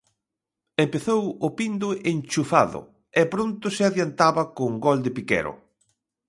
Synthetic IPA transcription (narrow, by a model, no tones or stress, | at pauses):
empeθowʊpind̪ʊʔent͡ʃufaðʊ̰ | ɛpɾont̪ʊsɪaðjant̪aβɐkʊŋɡɔld̪ɪpikɛ̰ɾʊ̰